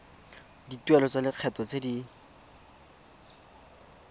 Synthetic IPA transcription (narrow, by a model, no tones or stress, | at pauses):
ditwɛlɔt͡salɪq͡χʰɛtɔt͡sedi